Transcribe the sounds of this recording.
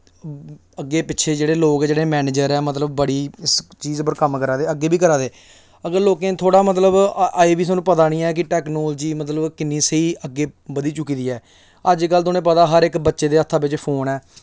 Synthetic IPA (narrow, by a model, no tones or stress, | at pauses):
əɡːeːpɪtːʃʰeːd͡ʒeːɽeːloːkd͡ʒeːɽeːmɛːneːd͡ʒəɾɛːmət̪ləbːəɽiːst͡ʃiːzpəɾkəmkəɾaːd̪eːəɡːeːbiːkəɾaːd̪eː | əɡəɾloːkẽːt̪ʰoːɽaːmət̪̬ləbeːbiːsaːnũːpət̪aːñĩːɛːk̬ɪʈɛːknoːld͡ʒiːmət̪̬ləbkɪnːĩːsiːʔəɡːeːbəd̪iːt͡ʃʊkːiːd̪iːɛː | əd͡ʒkəlt̪̬ʊnẽːpət̪aːɦəɾɪkbətːʃeːd̪eːət̪ʰːaːbɪt͡ʃpʰoːnɛː